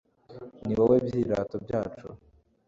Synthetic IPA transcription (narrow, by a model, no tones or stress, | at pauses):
niwawebjiːɾatobjaːt͡ʃo